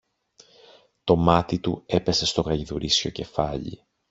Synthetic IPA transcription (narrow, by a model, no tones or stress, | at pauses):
t̪o̞mɐt̪it̪ue̞pe̞se̞st̪o̞ɣɐʝiðuɾisço̞ce̞fɐʎḭ